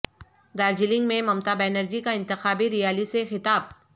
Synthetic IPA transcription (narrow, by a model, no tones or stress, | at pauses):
d̪aːɾd͡ʒɪlɪ̃ŋɡmẽmɐmt̪abɛːnəɾd͡ʒikaɪ̃nt̪ɪxaːbiɾɪjaːlisexɪt̪aːb̚